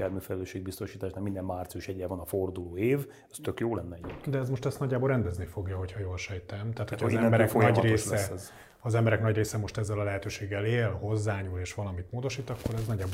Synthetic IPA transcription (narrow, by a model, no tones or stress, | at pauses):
aɾmyfɛlɛløːʃeːɡ̚bist̪o̞ʃiːt̪aːʃnakmind̪ɛmmaːrt̪sijuʃɛɟɛvɒnɒford̪uloːeːv | ɛst̪økjoːlɛnːɛd̪ɛɛzmo̞ʃt̪ɛst̪nɒɟːaːbolɾrɛnd̪ɛznifo̞ɡjɒɦo̞chɒjoːlʃɛjt̪ɛmt̪aːt̪hocʰɒːzɛmbɛɾɛfnɒɟreːʃsɛɛz | ɒzɛmbɛɾɛknɒɟreːsɛmo̞ʃt̪ɛzːɛlɒlɛɦɛt̪øːʃeːɡːɛleːlho̞zːaːɲuːleːʃʋɒlɒmit̪moːd̪o̞ʃiːt̪ɒkːo̞ɾɛznɒɟːaːbo